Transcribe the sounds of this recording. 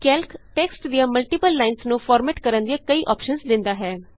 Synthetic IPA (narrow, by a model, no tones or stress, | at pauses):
kɛːlkʈɛːksʈd̪ijãːməlʈiːpəlːaːɪnsnũːfʰɔːɾmɛːʈkəɾənd̪iaːkəiːʔɔːpʃənzd̪ɪ̃nd̪aːɦɛː